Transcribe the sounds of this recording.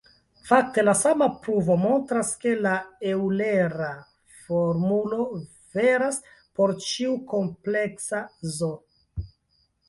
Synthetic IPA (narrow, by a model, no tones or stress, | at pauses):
fak̚te̞lasamapɾuvo̞mo̞ntɾaske̞laewleɾa | foɾmulo̞ | ve̞ɾas | po̞ɾt͡ʃiuko̞mple̞ksazo